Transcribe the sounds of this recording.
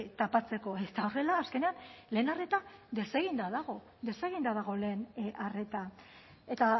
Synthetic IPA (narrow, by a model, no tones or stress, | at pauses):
t̪apat͡se̞ko̞est̪aore̞laːske̞neanle̞ːnare̞t̪ad̪e̞se̞ɣ̞ind̪aðaɣ̞o̞ | d̪e̞se̞ɣind̪að̞aɣ̞o̞le̞ːnʔare̞t̪a | e̞t̪a